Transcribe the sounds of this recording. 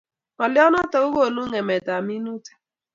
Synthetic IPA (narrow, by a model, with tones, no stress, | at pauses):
ɔ˨lɪ˦ɔ˦nɔ˦tɔ˨˦u˦ɣo˦˨no˦ŋɛ˨mɛ˨ta˨mi˦nu˦tḁ˨